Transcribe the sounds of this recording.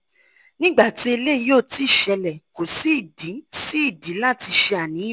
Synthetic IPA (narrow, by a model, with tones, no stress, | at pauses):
nĩ˦ɡ͡ba˦˨ti˨˦e˧le˦˧˨joː˦˨ti˨˦˨ʃɛ˧lɛ˨ko˨si˦i˦˨dĩ˨˦si˦i˦˨dĩ˨˦lã˦˨ti˧ʃe˧a˨nĩ˨˦˨